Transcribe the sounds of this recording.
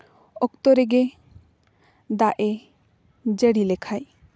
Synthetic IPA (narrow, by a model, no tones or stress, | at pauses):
ɔkt̪ɔɾɛɡe | d̪aʔɛ | d͡ʒəɽilɛkʰaj